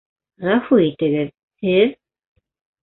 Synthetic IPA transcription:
ʁafuit̪ɘ̆ɡɘð | hɘð

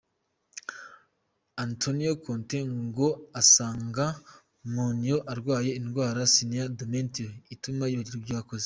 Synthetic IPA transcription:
antʰonijokʰoːnteŋɡo̞asaːŋɡa | monijoʔaɾɡwaːje̞inɡwaːɾasiniadomentioitumajoɟiɾubjaːkoze

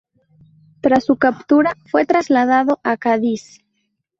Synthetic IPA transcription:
t̪ɾasːukapt̪uɾafwe̞t̪ɾazlaðaðoʔakaðis

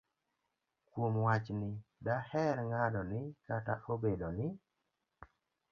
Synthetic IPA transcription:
kwomwat͡ʃnɪdahɛɾŋanɔnɪkata̰ʔobedonɪ

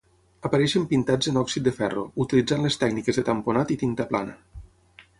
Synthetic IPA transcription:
əpəɾɛʃəmpint̪ad͡zənɔksit̪̚d̪əfɛrout̪ilid͡zanlest̪ɛɡnikezðət̪əmponat̪it̪int̪əplanə̰

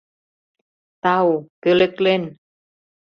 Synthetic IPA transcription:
t̪awkɯleklen

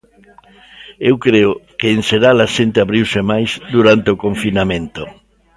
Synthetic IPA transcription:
ewkɾeʊkeːnseɾalaʃent̪eaβɾiwsemajzd̪uɾant̪eokõɱfinamẽnt̪o

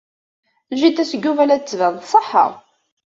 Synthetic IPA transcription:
ʒit̪ːæsəɡːuvælæt͡sːvæðˤθsˤəħə̰ʁˤ

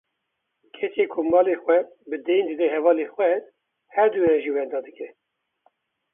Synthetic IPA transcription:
kʰɛt͡ʃeːkʰʊmɑːlexwɛ | bɨd̪ɛjnd̪ɨd̪ɛɦɛvɑːlexwɛ | hɛɾd̪ujɛʒiːwɛnd̪ɑːd̪ɨkɛ

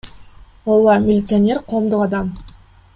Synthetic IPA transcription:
oɑmʲɪlʲɪt̪sɨanʲe̞rqʰo̞ːmd̪uqɑd̪ɑm

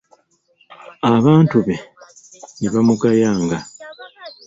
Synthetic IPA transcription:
aβaːntuβe̞ | niβamukajaːŋɡa

